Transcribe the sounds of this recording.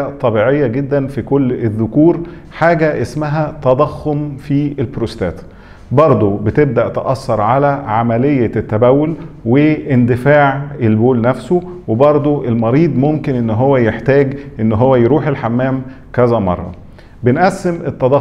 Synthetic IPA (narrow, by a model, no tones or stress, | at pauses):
æt̪ˤːɑbiːʕejːæɡed̪ːænfikolːeðːʊkuːɾ | ħaːɡæʔesmæɦæt̪ɑd̪ˤɑxːomfielbɾost̪æ̰ːt̪ | bɑɾˤd̪ˤobet̪eb̚d̪æʔt̪eʔɑsːɑɾˤʕalæʕamælejːæt̪ːæbæwːolweʔːnd̪ɪfaːʕʔelboːlnæfso | webɑɾˤd̪ˤoʔelmɑɾiːd̪ˤmomkenʔenːɦowːæjeħt̪æːɡʔenːɦowːæjɾuːħelħamːæːm | kæzæmɑ̰rˤːɑ̰ | benʔæsːemʔet̪ːɑd̪ˤɑ